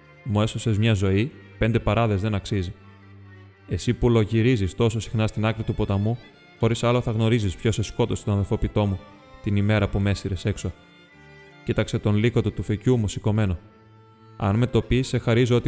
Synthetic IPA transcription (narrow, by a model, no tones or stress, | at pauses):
mue̞sose̞zmɲɐzo̞ipe̞nd̪e̞pɐɾɐðe̞zðe̞nɐksizi | e̞sipulo̞ʝiɾizist̪o̞so̞si̥xnɐst̪inɐkɾit̪upo̞t̪ɐmu | xo̞ɾisɐlo̞θɐɣno̞ɾizispço̞se̞sko̞t̪ose̥t̪onɐðefo̞pit̪o̞mu | t̪inime̞ɾɐpume̞siɾe̞se̞kso̞ | cit̪ɐkse̞t̪o̞nlikot̪ot̪ufecumusiko̞me̞no̞ | ɐ̰nme̞t̪o̞pise̞xɐɾizoo̞t̪i